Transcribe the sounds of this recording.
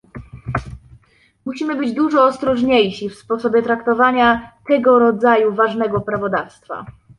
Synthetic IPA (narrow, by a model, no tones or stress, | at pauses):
muɕimɘbɘd͡ʑd̪uʐɔːst̪ɾɔʐɲejɕifspɔsɔbʲjɛt̪ɾakt̪ɔvaɲat̪ɛɡɔɾɔd̪zajuvaʐnɛɡɔpɾavɔd̪afst̪fa̰